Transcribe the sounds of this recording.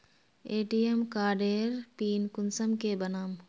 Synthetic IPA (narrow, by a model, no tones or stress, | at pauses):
eːʈiːemkaːɖeːɾpiːnkʊnsəmkebɐnaːm